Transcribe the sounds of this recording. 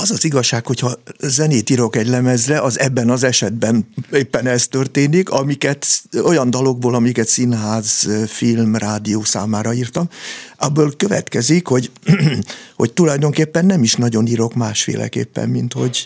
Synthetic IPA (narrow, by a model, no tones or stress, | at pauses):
ɒzɒziɡɒʃːaːkho̞chɒzɛneːt̪iɾo̞kɛɟlɛmɛzrɛʔɒzɛbːɛnɒzɛʃɛd̪bɛneːpːɛnɛst̪ø̞rt̪eːnikɒmikɛt̪o̞jɒnd̪ɒlo̞ɡboːlɒmikɛt̪sinɦaːzfilmraːd̪ioːsa̰ːmaːɾɒiːrt̪ɒmɒbːøːlkø̞vɛ̰t̪kɛzikho̞ɟ | hoct̪ulɒjd̪o̞ŋkeːpːɛnːɛmiʃnɒɟo̞niɾo̞kmaːʃfḛːlʔɛ̰kḛːpːɛ̰mːint̪ho̞̰ɟ